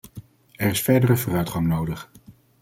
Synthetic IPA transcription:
ɛrɪsfɛɹdərəvoːrœɥtχɑŋnowdəχ

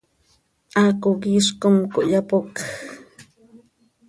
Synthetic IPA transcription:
ʔakoɡiʃkomkoʔjapok

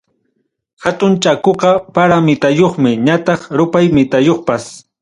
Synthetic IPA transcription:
hat̪ʊnt͡ʃakoqɑpaɾamɪt̪ajoχmɪɲat̪ɑχɾʊpajmɪt̪ajoχpas

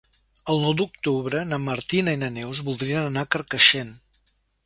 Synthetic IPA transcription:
əlˠnɔwd̪uk̚t̪uβɾənəmːəɾt̪inəinənɛwzβulˠd̪ɾiənənakəɾkəʃen

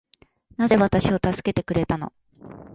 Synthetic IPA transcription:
naze̞βat̪aɕio̞t̪asɨ̥ke̞t̪e̞kɯ̟ɾe̞t̪ano̞̰

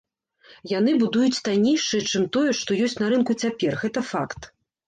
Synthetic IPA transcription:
janɨbud̪ujut͡sʲt̪anʲejʂɨjɛt͡ʂɨmt̪ɔjɛʂt̪ɔjɔsʲt͡sʲnɐɾɨnkut͡sʲapʲɛrɣɛt̪ɐfakt̪

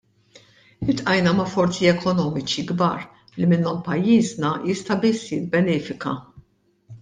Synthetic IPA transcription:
ɪt̪ʔɐjnɐmɐfɔɾt͡siɛkʰɔnɔːmɪt͡ʃiɡbɐ̰ːɾ | limɪnːɔmpɐjːiːznɐjɪst̪ɐbɪsːjɪbːɛnɛːfɪkɐ̰

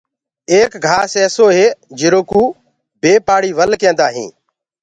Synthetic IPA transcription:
eːkɡʱaːseːsoːɦeːd͡ʒɪɾoːkuː | beːpaːɽiːʋəlkẽːnd̪aːɦḭ̃ː

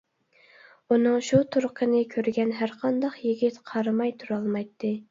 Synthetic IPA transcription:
unɨŋʃut̪ʰuɾqʰənɨkʲʰøɾɡʲɛnɦæɾqʰɑnd̪ɑqjiɡʲit̪qʰɑɾɨmɑjt̪ʰuɾɑlˠmɑjt̪ʰːɨ

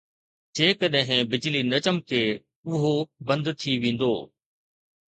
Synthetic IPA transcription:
d͡ʑeːkəɗɦɪ̃bɪd͡ʑlinɐt͡ɕəmkʰeː | ʊɦobɐ̃nd̪t̪ʰiʋẽːn̆d̪o̰ː

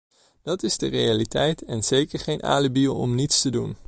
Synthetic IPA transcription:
d̥ɑtɪzdərejalitɛjtɛnz̥ejkəɹχejnʔa̰ːləbilˠɔ̰mnitstədun

